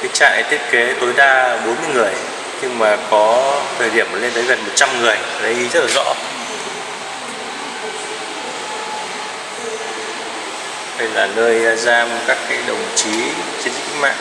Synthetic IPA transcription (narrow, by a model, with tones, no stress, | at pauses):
ka˨˦t͡ɕa̰ː˧˨ʔt̪ʰi˦˥ət̚ke˨˦t̪o˨˦jɗaː˧ɓo˨˦nmɨ˧əŋɨ˨˩əj | ɲɨ˧ŋmaː˨˩kɔ˨˦t̪ʰəː˨˩jɗi˧˩əmːəː˨˩le˧nt̪ʰəː˨˦jvə˨˩mo˨˩t̚t͡ɕa˧mŋɨ˨˩əja˨˩ɗə˧ji˧zə˦˥t̚laː˨˩zɔ̰˧˥ | ɗə˧˩jlaː˨˩nəː˧ja˧zaː˧mo˨˩t̚kaː˦˥kːaː˨˦jɗə̰˨˩wŋ͡mt͡ɕi˨˦t͡ɕi˧n˦˥k̚ma̰ː˧˨ʔ